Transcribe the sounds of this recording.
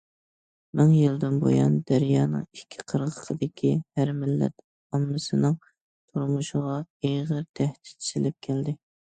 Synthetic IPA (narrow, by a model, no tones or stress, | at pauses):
mɨŋjɨlˠd̪ɪnbo̰jɑ̰nd̪æɾjɑːnɨ̰ŋikʲʰːi̥qʰəɾʁəqʰəd̪ɪkʲʰihæɾmɪlːɛ̰t̪ | ɑmːɨsɨnɨŋ | t̪ʰuɾmuʃʊʁɑeʁəɾt̪ʰɛht̪ɪ̥ɪ̥sɪlɪp̚kʲʰɛld̪ɪ